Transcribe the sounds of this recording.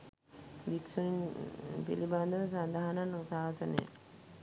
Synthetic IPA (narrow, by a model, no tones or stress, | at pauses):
ʋiksuiɲpḭliband̪əʋəsand̪aɦananusaːsənəjə̰